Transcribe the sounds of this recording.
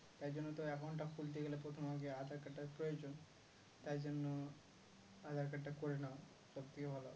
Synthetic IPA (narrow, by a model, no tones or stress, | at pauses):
t̪aɾd͡ʒonːot̪oɛkʰaɳʈakʰuld̪eɡelepɾɔt̪ʰɔmʱaɡead̪ʱaɾkɐʈːapɾɔjod͡ʒon | t̪aɾd͡ʒɔnːo | ad̪ʱaɾkɐʈːakoɾena | sɔb̚t̪ʰikebʱalo